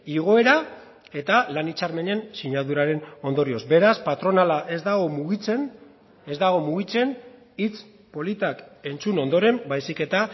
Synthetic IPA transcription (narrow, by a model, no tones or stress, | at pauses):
iɣ̞o̞e̞ɾa | e̞t̪alanit͡ʃaɾme̞ne̞nsiɲaðuɾaɾe̞no̞nd̪o̞ɾio̞zbe̞ɾaspat̪ɾo̞nalaʔe̞zd̪aɣo̞muɣit͡sen | e̞zd̪aɣ̞o̞muɣit͡se̞n | it͡s | po̞lit̪ake̞nt͡suno̞nd̪o̞ɾe̞mbajsike̞t̪a